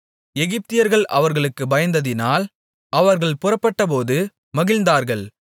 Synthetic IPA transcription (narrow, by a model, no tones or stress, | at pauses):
ɛɣɪp̚t̪ɪjɐɾɣɐɭʔɐʋɐɾɣɐɭɯkːɯbɐjɐnd̪ɐðɪnaːl | ʔɐʋɐɾɣɐɭpʊrɐpːɐʈːɐpoːðɯ | mɐɣɪlnd̪aːɾɣɐɭ